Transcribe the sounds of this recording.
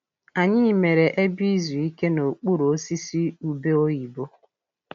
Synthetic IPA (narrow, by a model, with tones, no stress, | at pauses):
a˨ɲɪ˦˨me˨ɾe˨ʔe˦bi˦zu˨i˦ke˦no˨k͡pu˦ɾo˨o˦si˦si˦u˨be˦o˦ji˨bo˦